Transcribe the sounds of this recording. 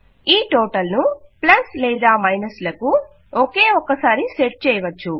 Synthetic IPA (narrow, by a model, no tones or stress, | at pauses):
iːʈɔːʈɐlnuplɐslɛːd̪aːmɐjnɐslɐku | oke̞ːɔkːɐsaːɾiseʈ̚t͡ʃɛːjɐʋɐt͡ʃːu